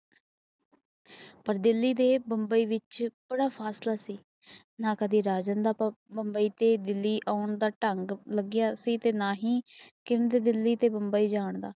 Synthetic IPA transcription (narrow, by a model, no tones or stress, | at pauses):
pəɾd̪ɪlːiːd̪eːbəmbəiːʋɪt͡ʃb̥əɽaːpʰaːslaːsiː | nãːkəd̪iːɾaːd͡ʒənd̪aːpːbəmbəiːt̪eːd̪ɪlːiːʔaːʊɳd̪aːʈəŋɡləɡjaːsiːt̪eːnaːɦiːkɪnd̪eːd̪ɪlːiːt̪eːbəmbəiːd͡ʒaːɳd̪aː